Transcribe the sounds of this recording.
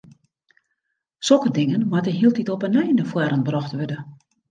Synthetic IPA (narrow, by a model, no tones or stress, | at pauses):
sɔkədɪŋənmatəɦiəlˠtitɔpənɛjnəfwɛɾənbrɔxtʋødə